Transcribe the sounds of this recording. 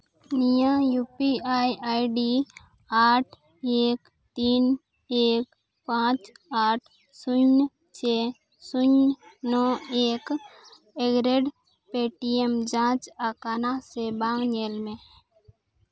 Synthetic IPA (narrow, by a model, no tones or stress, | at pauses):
nijãjupiaːjaːjɖi | aːʈʰ | eːk | t̪iːn | eːk | pãːt͡ʃaːʈʰ | suɲ | t͡ʃe | suɲnɔeːk | eɡɾeɖ | peʈiemd͡ʒãːt͡ʃakanasebãːŋɡɲeːlmẽ